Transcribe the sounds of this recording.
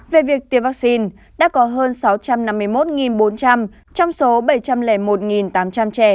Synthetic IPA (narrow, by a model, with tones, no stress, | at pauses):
ve˨˩vi˨˩ək̚t̪i˧˩əwvaː˦˥k̚si˧n | ɗa̰ː˧˥kɔ˨˦ɦəː˧nsa˨˦wt͡ɕa˧mna˧mːɨ˧əjmo˦˥t̚ŋi˨˩nɓo˨˦nt͡ɕa˧m | t͡ɕɔ˧wŋ͡mso˨˦ɓə˧˩jt͡ɕa˧mlɛ˧˩mo˨˩t̚ŋi˨˩nt̪aː˨˦mt͡ɕa˧mt͡ɕɛ˧˩